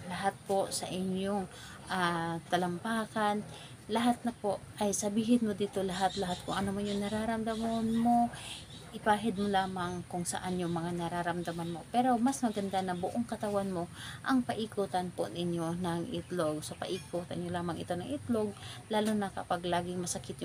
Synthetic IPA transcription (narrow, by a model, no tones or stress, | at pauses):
lɐɦat̪̚po̞sɐ̰ʔɪɲjoŋ | ʔat̪ɐlɐmpaːkan | lɐɦat̪̚nɐpo̞ʔʔɐjsɐbiːɦɪnmod̪iːt̪o̞lɐɦat̪lɐɦat̪̚kʊŋʔɐnomojʊŋnɐɾaɾɐmd̪ɐmonmo̞ | ʔɪpaːɦɪd̪̚molaːmaŋkʊŋsɐ̰ʔanjʊŋmɐŋanɐɾaɾɐmd̪ɐmanmo̞pɛːɾo̞mɐsmɐɡɐnd̪anɐbʊʔoŋkɐt̪ɐwanmo̞ʔɐŋpɐʔikuːt̪ɐnpo̰nɪɲjo̞nɐŋʔɪt̪lo̞ɡsɐpɐ̰ʔiːkuːt̪ɐnɲolaːmɐŋɪ̰t̪o̞nɐŋʔɪt̪lo̞ɡ̚laːlunɐkɐpaɡlaːɡɪŋmɐsɐkɪt̪̚jʊ